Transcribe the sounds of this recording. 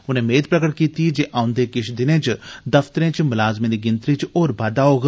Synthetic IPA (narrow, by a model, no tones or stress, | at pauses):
ʊnɦẽmeːd̪̚pɾɐkəʈkiːt̪id͡ʒeːʔãːʊ̃nd̪eːkɪʃʰd̪ɪnẽːt͡ʃd̪ɐft̪əɾẽːt͡ʃmʊlaːzmẽd̪iɡɪnt̪ɾit͡ʃoːɾbad̪aoːɡ